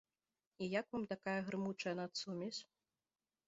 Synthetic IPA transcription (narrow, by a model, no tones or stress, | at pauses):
ijakvamt̪akajɐɣɾɨmut͡ʂɐjɐnat̪sumʲisʲ